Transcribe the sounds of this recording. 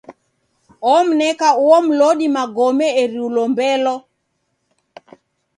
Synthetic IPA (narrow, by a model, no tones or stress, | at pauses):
ɔm̩nɛkauɔm̩lɔɗimaɡɔmɛeɾiulɔmbɛlɔ